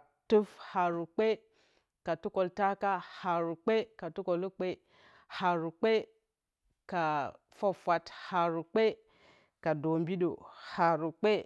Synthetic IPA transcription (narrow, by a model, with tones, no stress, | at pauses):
tu˦fha˨ɾu˨k͡pe˦ | ka˨tu˦ko˨lta˦ka˦ha˨ɾu˨k͡pe˦ka˨tu˦ko˨lu˦k͡pe˦ | ha˨ɾu˨k͡pe˦ | ka˨ | fa˦fʷa˨tha˨ɾu˨k͡pe˦ | ka˨do˨mbi˦ɗo̰˨ha˨ɾu˨k͡pe˦